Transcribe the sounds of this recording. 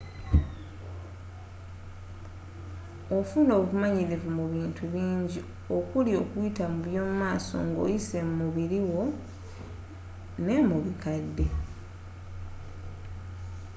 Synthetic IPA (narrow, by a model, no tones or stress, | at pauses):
o̞funo̞ːβuβumaɲiɾivumuβiːntʰuβiːɲɟi | o̞kulio̞ːkujitamuβjo̞ːmumaːso̞̰ŋɡo̰jise̞mumuβiɾiwo̞ | ne̞muβikadːe̞